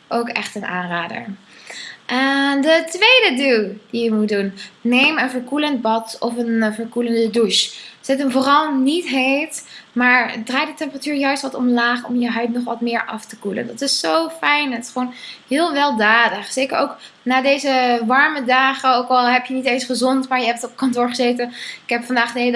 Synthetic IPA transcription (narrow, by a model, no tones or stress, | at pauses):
ʔowkɛχtənʔa̰ːnraːdə̰ɹ | ʔɛdətʋejdəduld̥ijəmudunːejmənvəɹkulənd̚bɑtɔfənvəɹkuləndəduʃz̥ɪtənvoːrɑlˠnitɦejtmaːɹdraːj̚dətɛmpəratyːɹjœɥstʋɑtɔmlaːχɔ̰mjəɦœɥtnɔχʋɑtmɪːɹʔɑftəkulə̰ndɑtɪsːowfɛjnɦətɪ̥sχəʋownhɪːlˠʋɛlˠdaːdəχsejkəɹowk | naːdejzəʋɑɹmədaːχəowkɑlˠɦɛpjənitejnsχəzɔntmaːɹjəɦɛp̚tɔpkɑntʊːɹχəzejtənɪkɦɛpfɑndaːχdəel